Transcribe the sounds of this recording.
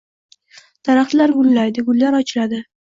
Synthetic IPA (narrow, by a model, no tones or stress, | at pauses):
d̪̥aɾaχt̪laɾɡʊllajd̪ɪɡʊlːaɾɒt͡ʃʰɪlad̪ɪ